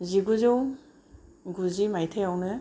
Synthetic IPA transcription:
ziɡuzɯw | ɡuzimajtʰejawnɯ

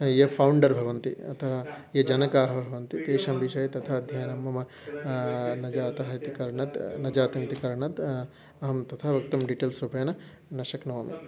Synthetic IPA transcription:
jɐpʰɐwɳɖɐɾbʱɐʋɐnt̪iɐt̪ʰɐɦɐjɐd͡ʒɐnɐkaːɦɐ̆bʱɐʋɐnt̪it̪eːʃɐmbiʃɐjɐt̪ɐt̪ʰaɐd̪ʱjɐjɐnɐmːɐmɐ | nɐd͡ʒaːt̪ɐɦɐt̪ikɐɾɐɳɐt̪nɐd͡ʒaːt̪ɐnt̪ikɐɾɐɳɐt̪ | ɐɦɐmt̪ɐt̪ʰaʋɐk̚t̪ɐmɖiʈeːlsɾupɐjnɐ | nɐʃɐknoːmḭ

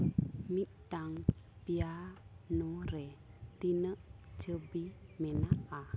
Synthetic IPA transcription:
miʔt̪aŋpianuɾɛt̪inəʔd͡ʒəbimenaʔa

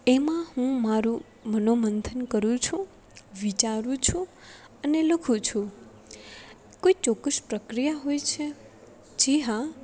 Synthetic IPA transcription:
emãhũmaɾũ | mənomənd̪ʱənkəɾũt͡ʃʰũ | ʋit͡ʃaɾũt͡ʃʰũ | əneləkʰũt͡ʃʰũ | koit͡ʃɔkːəʃpɾəkɾijaɦojt͡ʃʰe | d͡ʒiɦã

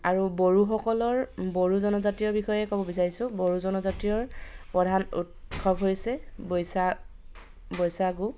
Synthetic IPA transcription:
aɹuboɹuxɔkɔlɔɹboɹuzɔnɔzatijɔɹbixɔjɛkobɔbisaɹisʊ̃bɔɹuzɔnɔzatɹijɔɹpɹɔdʱanṵtxʰɔbɦojsɛbojsa | bɔjsaɡu

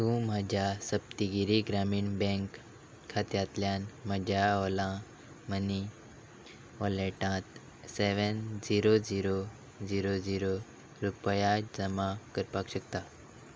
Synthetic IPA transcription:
t̪ũmad͡ʒasəp̚t̪iɡiɾiɡɾaːminbẽŋk | kʰːat̪jaːt̪ljãːnmɐd͡ʒaoːlã | məni | oːleːʈãːt̪ | seʋenziːɾoziːɾo | ziːɾoziːɾo | ɾupəjazəmãkəɾpaːkʃək̚t̪aː

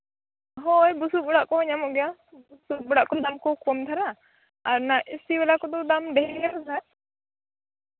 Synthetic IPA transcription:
ɦɔjbusuk̚bɔɽaʔkɔɔɲamɔʔɡɛja | busuk̚ɓuɽaʔkɔd̪amkɔkɔmt̪ʰaɾa | aɾnaʔisiwɛlakɔd̪ɔd̪amɖɛɦɛɡakɔsʰaɾ

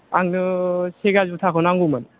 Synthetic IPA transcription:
aŋnɯseɡazutʰakʰɔnaŋɡumɯn

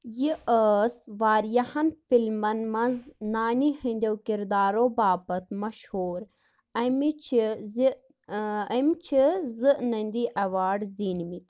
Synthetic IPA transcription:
jiʔəːsʋaːɾjɐhɐnfilmɐnmɐnznaːnihɐ̃nʲd̪ʲɐwkiɾd̪aːɾobaːpɐt̪mɐʃhuːɾ | ɐmit͡ʃizi | ɐmt͡ʃʰizɨʔnɐnʲd̪iʔɐʋaːɖzinmit̪

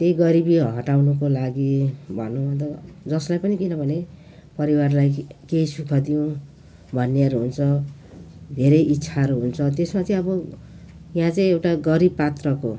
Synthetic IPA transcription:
t̪ejɡʌɾibiɦʌʈawnukolaɡibʱʌ̰nːuʌt̪ʌd͡zʌslajpʌnikinʌbʱʌne | pʌɾiwarlajkejsukʰʌd̪ijõ | bʱʌnːeʌɾuɦunt͡sʰʌ | d̪ʱeɾʌjʔitːsʰaʌɾuɦunt͡sʰʌt̪esmat͡saĩʌbʌ | jãt͡saĩewʈaɡʌɾibpat̪rʌko̰

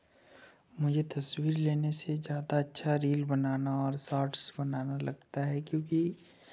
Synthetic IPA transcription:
mʊd͡ʒʱet̪ɐswiːɾleːnesezjaːd̪aɐtːʃʰaɾiːlbɐnaːnaɔːɾsaːɾʈsbɐnaːnalɐɡ̚t̪aɦɛkjõːk̬i

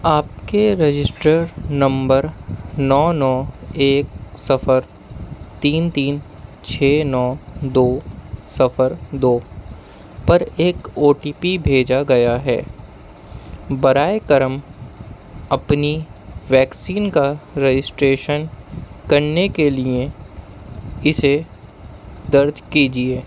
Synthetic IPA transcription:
aːpkeɾed͡ʒɪsʈəɾnɐ̃mbəɾnɔːnɔːeːksɐfəɾ | t̪iːnt̪iːn | t͡ʃʰeːnɔːd̪oːsɐfəɾd̪oː | pɐɾeːkoːʈiːpibʱeːd͡ʒaɡɐjaɦɛ̰ː | bɐɾaːekɐɾəm | ɐpniʋɛːksiːnkaɾed͡ʒɪsʈɾeːʃənkɐɾnekelie | ɪse | d̪ɐɾd͡ʒkiːd͡ʒieː

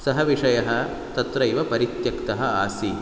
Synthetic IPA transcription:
sɐɦɐʋiʂɐjɐɦɐ | t̪ɐt̪ɾɐjiʋɐpɐɾit̪jɐkt̪ɐɦɐaːsi

